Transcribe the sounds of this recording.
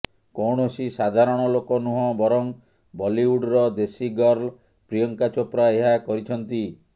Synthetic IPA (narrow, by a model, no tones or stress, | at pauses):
kowɳosisad̪ʱaɾɔɽ̃ɔlokɔnuɦɔ̃bɔɾɔŋ | bɔliwuɖɾɔd̪esiɡɔɾl | pɾijɔŋkat͡ʃɔpɾaeɦakɔɾit͡ʃʰɔnt̪i